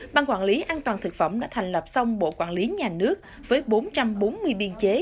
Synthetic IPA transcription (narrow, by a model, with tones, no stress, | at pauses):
ɓaː˧nkwaː˧˩nli˨˦ʔaː˧nt̪waː˨˩nt̪ʰɨ˨˩k̚fə̰˧˩mɗa̰ː˧˥t̪ʰɛ˨˩ŋ̟lə˨˩p̚sa˧wŋ͡mɓo̰˧˨kwa̰ː˧˩nli˨˦ɲaː˨˩nɨ˦˥ək̚ | vəː˨˦jɓo˨˦nt͡ɕa˧mɓo˨˦nmɨ˧əjɓi˧ənt͡ɕe˨˦